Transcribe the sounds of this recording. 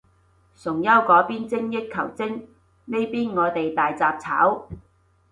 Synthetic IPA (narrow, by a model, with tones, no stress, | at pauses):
sʊ˨˩ŋjɐ˥wkɔː˨˥piː˥nt͡sɪ˥ŋjɪ˥t̚kʰːɐ̰˨˩wt͡sɪ˥ŋ | me˥jpiː˥nŋɔː˨˧t̪e˨jt̪aː˨jt͡saː˧p̚t͡sʰa̰ː˨˥w